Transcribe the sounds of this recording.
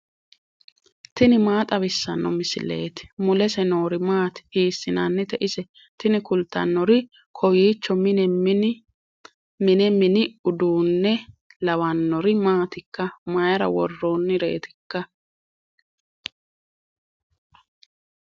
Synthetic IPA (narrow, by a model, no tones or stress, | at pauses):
t̪ɪnɪmaːt̪ʼɐβɪsːɐnːɔmɪsɪ̰le̞̰ːt̪ɪ̥mʊlɛsɛno̞ːɾɪmaːt̪ɪ̥hiːsːɪnanːɛt̪ɛʔɪsɛ | t̪ɪnɪkʊlt̪ːɐ̰nːɔɾɪ | kʰɔjiːt͡ʃːɔmɪnɛ | mɪnɛmɪnɪʊd̪uːnːɛ | lɐwɐnːɔɾɪmaːt̪ɪkːɐmɐjɐɾɐ̰wɔ̰rːoːnːɪɾe̞̰ːt̪ɪ̥kːɐ